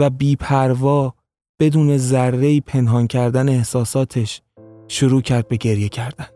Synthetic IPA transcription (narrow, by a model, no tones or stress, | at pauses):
væbiːpʰæɾvɒː | b̥e̞d̪uːne̞zæɾːe̞iːpʰe̞nɦɒːncʰæɾd̪æneːhsɒːsɒːt̪ʰe̞ʃ | ʃuɾuːcʰæɾd̪̚be̞ɟe̞ɾje̞cʰæɾd̪æn